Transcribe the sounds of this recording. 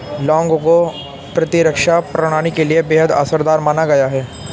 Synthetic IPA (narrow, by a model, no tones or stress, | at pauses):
lɔ̃ːŋɡko | pɾɐt̪ɪɾəkʃapɾɐɽ̃aːɽ̃ikeliebeːɦəd̪a̰ːsəɾd̪aːɾmaːnaɡɐjaɦɛː